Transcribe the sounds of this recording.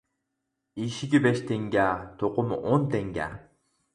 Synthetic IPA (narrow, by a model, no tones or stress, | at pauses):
iʃiɡʲibeʃt̪ʰeŋɡʲæt̪ʰoqʊmʔont̪eŋɡʲæ̰